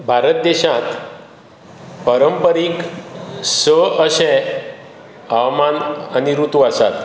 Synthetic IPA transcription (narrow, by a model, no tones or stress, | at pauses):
bʱaɾət̪̚d̪eɕãt̪ | pəɾəmpəɾik | səəɕẽ | awmananiɾut̪uasa̰t̪